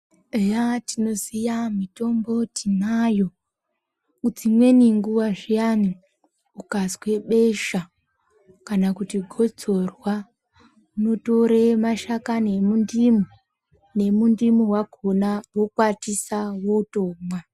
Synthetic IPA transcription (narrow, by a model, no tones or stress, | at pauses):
ejatino̞sijamito̞mbo̞tʰinajo̞ | ut͡simwe̞niŋɡuwaʐijani | ukazkwe̞ɓeʃa | kanakutiɡʱo̞d͡zo̞rwa | uno̞to̞ɾemaʃakanemundimo | ne̞mundimuwakonawo̞kwatisawo̞toːmwa